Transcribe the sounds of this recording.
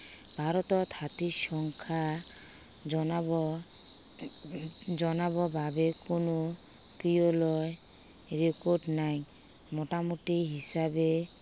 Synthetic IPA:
b̥ʱaɾɔt̪ɔt̪ʰat̪iʃɔŋkʰa | d͡ʒɔnabɔbʱabekono | kijolɔj | ɾekoɾɖnaj | mɔʈamuʈiɦisabe

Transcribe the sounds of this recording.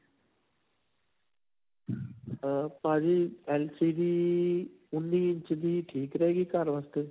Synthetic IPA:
paːd͡ʒiːeːlsiːɖiː | ʊnːiːɪ̃ɲt͡ʃd̪iːʈʰiːkɾɐɦeːɡikaːɾʋast̪e

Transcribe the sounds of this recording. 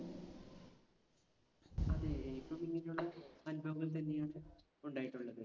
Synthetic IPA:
ɐðɨipːoːmiŋːinejuɭːɐɐnubʱɐʋɐɣɐlt̪̬ɐnːejaːɳɨ | uɳɖaːjiʈːuɭːɐðɨ

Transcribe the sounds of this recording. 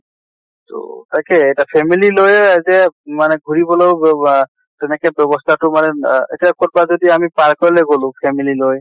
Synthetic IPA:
to̰takɛɛjtapʰɛmililojzɛmanɛɡʱuɹibɔlow | tɛnɛkɛbɔbɔstʰatʊmanɛḛtiakot̚bazodiamipaɹkɔɹileɡolʊ̃pʰɛmililoj

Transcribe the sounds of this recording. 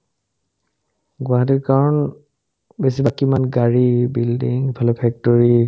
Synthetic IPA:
ɡʊaɦat̬ikaɹɔn | bes̬ibakimanɡaɹibildiŋbʱalɔpʰɛk̚tɔɹi

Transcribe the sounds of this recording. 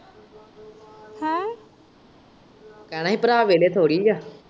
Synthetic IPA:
hã | kaɽ̃aɦipɾaːʋelet̪ʰoːɽiːd͡ʒa

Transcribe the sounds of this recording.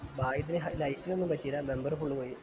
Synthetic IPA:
baːjit̪ːineɦɐlɐjkʲːinenːumpɐtːiɾame̞mbɐrfuɭːukoːji

